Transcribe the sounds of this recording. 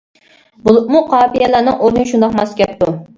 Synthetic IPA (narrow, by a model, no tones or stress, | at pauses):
bulˠɨmuqʰɑːpijɛlænɨŋʔoɾnɨʃund̪ɑqmɑskʲɛp̚t̪u